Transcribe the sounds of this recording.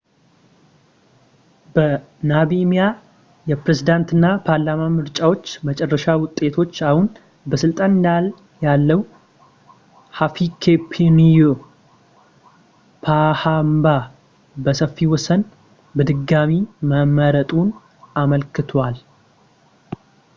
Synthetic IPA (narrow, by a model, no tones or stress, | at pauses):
bə | naβimija | jɛpɾezid̪ant̪ɨnːapʰaɾlamamɨɾt͡ʃʼawo̞t͡ʃːmət͡ʃʼɛrːəʃawʊt̪ʼːe̞t̪ʰo̞t͡ʃːahun | bəsɨlt̪ʼanɨnd̪al | jalːəwu | hafikʰepʰenijo | pʰahamba | bəsəfːiwɔsən | bɨd̪ɨɡamiməmːəɾət̪ʼun | aməlkʰɨt̪ʰwal